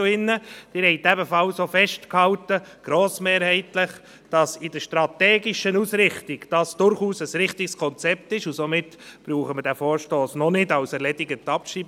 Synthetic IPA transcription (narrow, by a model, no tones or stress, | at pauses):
ɪnːəd̥ɪɾhɛɪtæbəfɑlsofɛʃtkhɑwtəɡ̥ɾoːsmeːɾhɛɪtləχ | d̥ɑsɪd̥əɾʃtɾɑtɛːɡɪʃənusɾɪχtɪɡd̥ɑsd̥ʊɾχuːsəsɾɪχtikskʰɔnt͡sɛp̚tɪʃʊsomɪtb̥ɾuːχəmədæfoːɾʃtoːsnɔnɪdɑwsɛɾlɛdɪɡətɑpʃiːb